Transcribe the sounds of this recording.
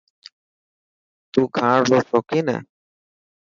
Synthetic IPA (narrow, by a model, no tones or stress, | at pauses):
t̪uɡʱãɾɾɔsɔkina̰